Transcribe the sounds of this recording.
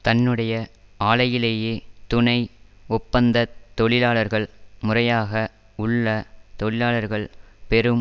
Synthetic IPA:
t̪ɐnːɯɽɐjɐaːɭɐjɪleːjeːt̪ʊnɐɪʊpːɐnd̪ɐt̪ːɔɭɪlaːɭɐɾɣɐɭmʊrɐjaːɣɐ | ʊɭːɐt̪ɔɭɪlaːɭɐɾɣɐɭpɛɾɯm

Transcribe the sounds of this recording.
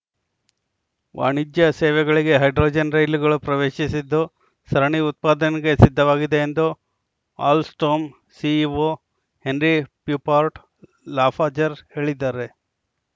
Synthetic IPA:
ʋa̰ːɳid͡ʒ̪jɐseːʋɛɡɐɭiɡe̞ɦɐjɖɾoːd͡ʒɐnɾɐjluɡɐɭupɾɐʋeːʃisid̪ːu | sɐɾɐɳiut̪̚paːd̪ɐniɡe̞sid̪ʱːɐʋaːɡid̪e̞ːnd̪u | a̰ːlsʈoːm | siːʋo | he̞nɾipjuːpaːɾʈ | laːpʰaːd͡ʒɐɾhe̞ːɭid̪ːaːɾe̞

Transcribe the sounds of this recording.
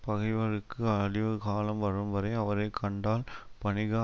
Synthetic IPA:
pɐɣɐɪʋɐɾɯkːɯɐɽɪʋɯkaːlɐmʋɐɾɯmʋɐɾɐɪɐʋɐɾɐɪkʰːɐɳɖaːlpɐɳɪɣaː

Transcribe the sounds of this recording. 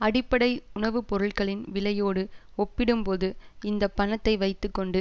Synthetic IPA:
ɐɽɪpːɐɽɐɪʊɳɐʋɯpɔɾɯɭkɐɭɪnʋɪlɐjoːɽɯɔpːɪɽɯmpoːðɯɪnd̪ɐpːɐnɐt̪ːɐɪʋɐɪt̪ːɯkːɔɳɖɯ

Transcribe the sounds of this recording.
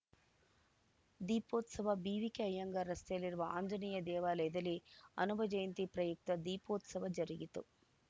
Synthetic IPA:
d̪iːpoːt̪sɐʋɐbiːʋikeɐjɐŋɡɐɾɐst̪ɐjɐliɾuʋɐa̰ːɲd͡ʒɐniːjɐd̪ɛːʋaːlɛd̪ɐliɐ̰nubʱɐd͡ʒɐjɐnt̪ipɾɐjuk̚t̪ɐd̪iːpoːt̪sɐʋɐd͡ʒɐɾiɡit̪ṵ

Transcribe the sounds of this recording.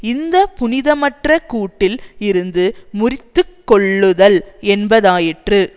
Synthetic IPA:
ɪnd̪ɐpʊnɪðɐmɐʈrɐkuːʈːɪlɪɾɯnd̪ɯmʊrɪt̪ːɯkːɔɭːɯðɐlɛnbɐðaːjɪʈrɯ

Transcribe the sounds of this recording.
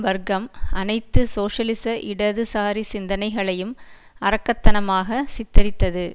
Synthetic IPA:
ʋɐɾɡɐmɐnɐɪt̪ːɯsoːʂɐlɪsɐʔɪɽɐðɯsaːɾisɪnd̪ɐnɐɪɣɐɭɐjɯm | ɐɾɐkːɐt̪ːɐnɐmaːɣɐsɪt̪ːɐɾɪt̪ːɐðɯ

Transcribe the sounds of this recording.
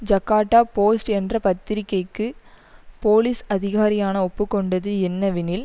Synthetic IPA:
d͡ʒɐkːaːʈːaːpoːsʈɛndrɐpɐt̪ːɪɾɪkːɐɪkːɯpoːlisɐðɪɣaːɾɪjaːnɐɔpːɯkːɔɳɖɐðɯɛnːɐʋɪnɪl

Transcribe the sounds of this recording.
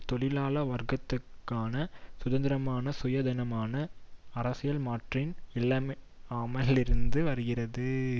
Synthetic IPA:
t̪ɔɭɪlaːlɐʋɐɾɡɐt̪ːɯkːaːnɐsʊðɐnd̪ɪɾɐmaːnɐsʊjɐd̪ɪnɐmaːnɐɐɾɐsɪjɐlmaːʈrɪnɪɭːɐm | aːmɐlɪɾɯnd̪ɯʋɐɾɯɣɪrɐðɯ

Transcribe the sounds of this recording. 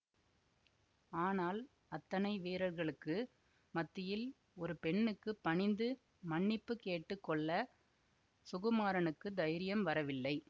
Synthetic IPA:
aːnaːl | ɐt̪ːɐnɐɪʋeːɾɐɾɣɐɭɯkːɯ | mɐt̪ːɪjɪl | ɔɾɯpɛɳːɯkːɯpːɐɳɪnd̪ɯ | mɐɳːɪpːɯkeːʈːɯkːɔɭːɐ | sʊɣɐmaːɾɐnɯkːɯd̪ɐjɾɪjɐmʋɐɾɐʋɪlːɐɪ

